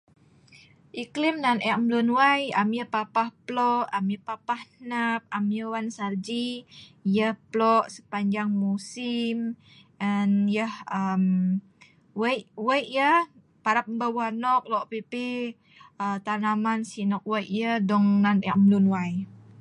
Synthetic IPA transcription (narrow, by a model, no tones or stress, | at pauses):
ʔiklimnanɛʔmlunwajamjəpapahplɔʔamjəpapahnap̚amjəwansard͡ʒijəhplɔʔsə̥paɲd͡ʒaŋmusim | ʔanjəhəm | wəjʔwəjʔjəh | paɾap̚mbəwanɔk̚lɔʔpepi | ət̪arnamansinɔk̚wəjʔjəhdɔŋnanɛʔmlunwaj